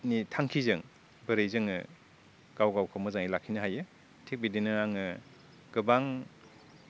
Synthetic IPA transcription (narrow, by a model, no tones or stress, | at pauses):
nitʰaŋkʰizɯŋ | bɯɾɯjzɯŋɯ̰ | ɡ̥awɡawkʰawmɯzaŋilakʰinɯɦajɯ | tʰek̚bidinɯaŋɯ | ɡɯbaŋ